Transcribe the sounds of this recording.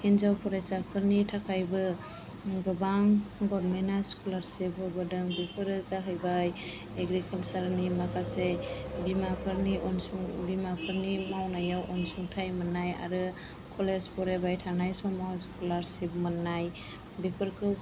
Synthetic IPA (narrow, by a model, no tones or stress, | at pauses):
hinzawpʰɔɾasapʰɯɾnitʰakʰajbɯ | ɡɯbaŋɡɔɾmenaskʰulaɾsibɔbɯdɯŋbipʰɯɾɯzaɦɯjbaj | eɡɾikʰalsaɾnimakʰasebimapʰɯɾniʔɔnsuŋbimapʰɯɾnimawnajawʔɔnsuŋtʰajmɯnːaja̰ɾɯ | kʰɔlezpʰɔɾebajtʰanajsɔmawskʰulaɾsip̚mɯnːaj | bipʰɯɾkʰɯ